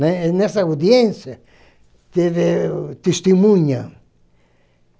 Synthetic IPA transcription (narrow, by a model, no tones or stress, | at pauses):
nenesawd̪jẽnsja | t̪eðet̪est̪imũɲa